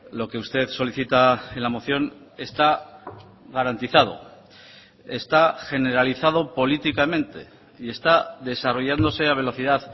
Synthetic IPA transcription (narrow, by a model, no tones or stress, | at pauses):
lo̞ke̞ust̪e̞ðso̞liθit̪aelamo̞θjo̞ne̞st̪a | ɣaɾant̪iθað̞o̞̰ | est̪axe̞ne̞ɾaliθað̞o̞po̞lit̪ikamẽ̞nt̪e̞̰ | ie̞st̪aðe̞saro̞ʝand̪o̞se̞aβ̞e̞lo̞θiðað